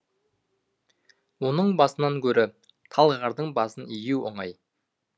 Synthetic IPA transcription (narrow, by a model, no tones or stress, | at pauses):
wo̞nəɴbɑsənɑŋkʲʰɵɾɪ | t̪ʰɑlˠʁɑɾd̪əɴbɑsənijuwoɴɑj